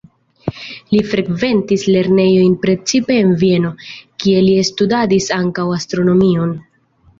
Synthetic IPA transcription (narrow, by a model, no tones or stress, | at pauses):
lifɾe̞kve̞ntisle̞ɾne̞jo̞jnpɾe̞t͡sipe̞ːnvie̞no̞kie̞liestudadisaŋkawastɾo̞no̞mio̞n